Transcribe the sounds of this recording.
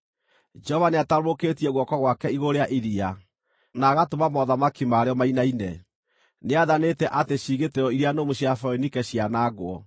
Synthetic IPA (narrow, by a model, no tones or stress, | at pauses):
d͡ʒɔvaneataɾoketiɛɣwɔkɔɣwakɛiɣoɾeaʔiɾia | naɣatomamɔðamakimaːɾeɔmainainɛ | neaðanetɛʔateɕiːɣeteɾɔiɾianomoɕiafɔnikɛɕianaɡwɔ